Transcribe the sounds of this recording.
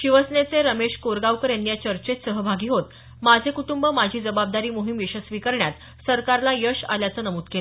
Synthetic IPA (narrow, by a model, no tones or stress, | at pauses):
ɕiʋəsnet͡seɾəmeɕkoɾɡaʋkəɾjanːijat͡ɕəɾt͡ɕet̪səɦəbʱaɡiːɦot̪ | mad͡zʱekuʈumbəmad͡ʑʱiːd͡zəbab̚d̪aɾiːmoɦimjeɕəsʋikəɾɳjat̪ | səɾkaɾlajəɕa̰ljat͡sənəmuːt̪kela